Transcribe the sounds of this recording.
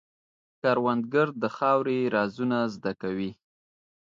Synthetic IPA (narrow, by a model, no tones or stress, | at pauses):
kɑɾwand̪̚ɡəɾd̪əxɑwɾeɾɑzunazd̪akawi